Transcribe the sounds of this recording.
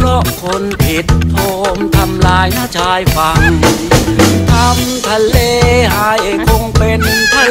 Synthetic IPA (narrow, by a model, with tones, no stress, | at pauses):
lɔ˦˥ʔkʰo˧npʰi˨˦˩t̪ʰːo˧mt̪ʰa˧mlaː˧jnaː˦˥˨t͡ɕʰaː˧jfa˧˩j | t̪ʰa˧mt̪ʰa˧leː˧ɦaː˨˧˦jʔa˨˩kʰo˧ŋpe˧nt̪ʰa˧